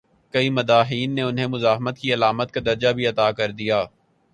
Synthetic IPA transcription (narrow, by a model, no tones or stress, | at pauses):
kɐimɐd̪aːɦiːnːeʊnɦemʊzaːɦmət̪̚kiɐlaːmət̪̚kad̪ɐɾd͡ʒabʱiɐt̪aːkɐɾd̪ijaː